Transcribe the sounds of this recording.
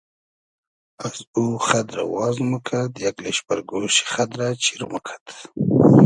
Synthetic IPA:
azuχad̪ɾa̰wɑzmukʰad̪jakleʃpaɾɡoʃi̥χad̪ɾat͡ʃiɾmukʰḁt̪

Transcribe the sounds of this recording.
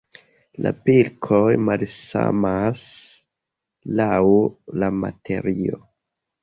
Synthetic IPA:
la̰pilkʰo̞jmalsa̰mas | lawlama̰tʰe̞ɾio

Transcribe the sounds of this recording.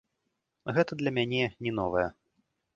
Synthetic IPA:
ɣɛt̪ɐd̪lʲɐmʲanʲɛnʲɛnɔvɐjɐ

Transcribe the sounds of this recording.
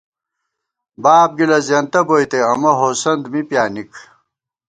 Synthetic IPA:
baːp̚ɡilɐzjɐnt̪ɐboːjt̪eɐmɐɦoːsɐnd̪mipjaːnik

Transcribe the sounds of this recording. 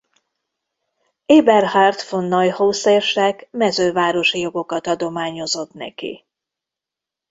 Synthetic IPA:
eːbɛrhart̪fonːɒjhoːseːrʃɛkmɛzøːvaːɾo̞ʃijo̞ɡo̞kɒt̪ɒd̪o̞maːɲo̞zo̞t̪nɛ̰kḭ

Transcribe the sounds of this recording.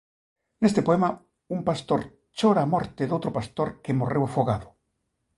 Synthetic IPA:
nest̪epoema | umpast̪oɾ | t͡ʃoɾaːmoɾt̪eðowt̪ɾopast̪oɾkemorewafoɣaðo

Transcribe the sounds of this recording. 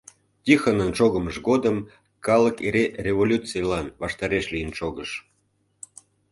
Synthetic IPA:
tʲixənənʃoɣəməʃɡod̪əm | kɑləkeɾerʲevolʲut͡sijlɑnβɑʃt̪ɑɾeʃlijənʃoɣəʃ

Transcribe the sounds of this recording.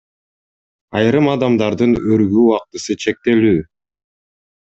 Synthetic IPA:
ɑjɾɯmɑd̪ɑmd̪ɑɾd̪ɯnøɾɡyːɑq̚t̪ɯsɯt͡ʃʰe̞k̚t̪e̞lyː

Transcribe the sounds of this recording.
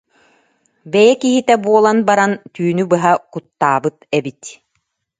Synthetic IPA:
bɛjɛkiɦit̪ɛbuɔlˠanbaɾant̪yːnybɯɦakut̪ːaːbɯt̪ɛbit̪

